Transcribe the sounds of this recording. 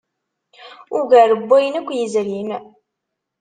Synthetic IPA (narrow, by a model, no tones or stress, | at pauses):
ʊɡæɾəbːæjənækʷːjəzɾin